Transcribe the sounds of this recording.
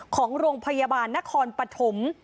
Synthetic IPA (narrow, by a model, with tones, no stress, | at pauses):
kʰɔː˩˦ŋɾoː˧ŋpʰa˧ja˧baː˧nːa˦˥kʰɔː˧npɾa˧t̪ʰo˩˦m